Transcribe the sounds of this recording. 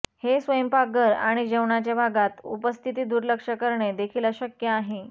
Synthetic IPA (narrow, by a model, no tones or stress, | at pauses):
hesʋəjəmpaɡəɾa̰ɽ̃id͡ʑəwɳat͡ɕjabʱaɡat̪ṵpəst̪ʰit̪̬iːd̪uɾləkʂəkəɾɳed̪ekʰiːlaɕəkjəaɦe